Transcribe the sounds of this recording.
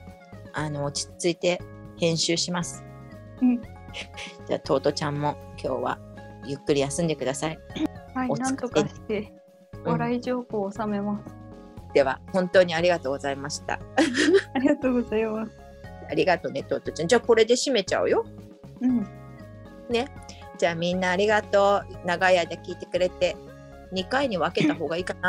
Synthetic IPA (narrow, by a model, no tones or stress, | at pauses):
ano̞ːt͡ɕi̥t͡sɨit̪e̞hẽ̞ɰ̃ɕɨːɕimasɨ̥ | ɯ̟̃ɴ | d͡ʑa̰ːt̪ʰo̞ːt̪o̞t͡ɕãmːo̞kʲʰo̞̰ːβa̰jɯ̟kːɯ̟ɾʲijasɨ̃nd̪e̞kɯ̟d̪asaihaionãnokt̪e | βaɾaiʑo̞ːhoːsame̞masɨ̥ | d̪̥e̞βa̰hõ̞nt̪o̞ːɲ̟iaɾʲiɡat̪oːɡo̞zaimaɕi̥t̪a̰ | aɾʲiɡat̪oːɡozaimasɨ | aɾʲiɡat̪o̞ne̞t̪oːt̪ot͡ɕãd͡ʑaːko̞ɾe̞d̪e̞ɕime̞t͡ɕa̰ɯ̟jo̞ | ɯ̟̃ɴ | ne̞ | d͡ʑaːmʲĩnːaːɾʲiɡat̪o̞ːnaɡajaid̪ekʲiːt̪e̞kɯ̟ɾe̞t̪e̞ | ɲ̟ikaiɲ̟iβake̞t̪aɦo̞ːɡaiːkana